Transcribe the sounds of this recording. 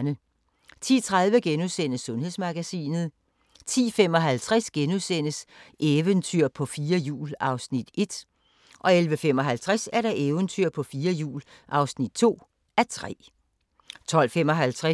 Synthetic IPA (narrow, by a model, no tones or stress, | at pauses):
nə | t͡sʰḭːt͡sʰʁaðˠʋəɡ̥enuðˠsen̰əsːɔ̽nhe̝ð̞ˠsmɑ̈ɡ̥æsḭːnð̞̩ˠ | t͡sʰḭːfem̰ɒ̽ɦælt͡sʰʁasɡ̥enuðˠsen̰əsʔeːwənt͡sʰyɐ̰pʰɒ̽fiːɐjṵːlɑ̈ʊsnid̥e̝d̥ | ʔɒ̽elʋəfem̰ɒ̽ɦælt͡sʰʁasæɐɾɑ̈ʔeʊənt͡sʰyɐ̰pʰɒ̽fiːɐjṵːl | ʔɑ̈ʊsnid̥̚t͡sʰo̝̰ː | æɐt͡sʰʁɛ̰ː | t͡sʰɒ̽l̰femɒ̽ɦælt͡sʰʁa